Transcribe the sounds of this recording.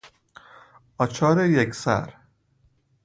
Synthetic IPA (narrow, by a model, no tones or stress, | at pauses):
ɒt͡ʃʰɒːɾejeksæ̰ɾ